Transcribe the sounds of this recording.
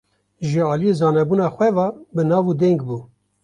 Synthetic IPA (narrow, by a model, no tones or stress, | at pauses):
ʒəɑːlijezɑːnɛbuːnɑːxʷɛvɑːbɨnɑːvud̪ɛŋɡbuː